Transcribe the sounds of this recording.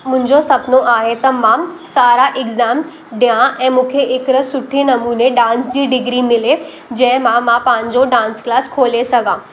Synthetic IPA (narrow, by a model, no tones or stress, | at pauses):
mʊ̃ɦɪ̃ɲd͡ʑosɐpnoʔaːɦet̪ɐmãsaːɾaʔɪɡzaːm | ɖjãʔɛ̃ːmũːkʰeʔɪkɾɐsʊʈʰinɐmuːneɖãːnsd͡ʑiːɖɪɡɾimɪle | d͡ʑɐ̃ɦɪ̃mãmãpãːɲd͡ʑoɖãːnsklaːskʰoːlesɐɡãː